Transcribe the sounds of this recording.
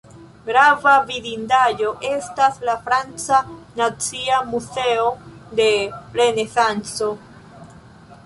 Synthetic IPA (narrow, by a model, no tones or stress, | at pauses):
ɡɾavavidindajo̞ʔe̞staslafɾant͡sanat͡siamuseode̞ɾe̞ne̞sant͡so̞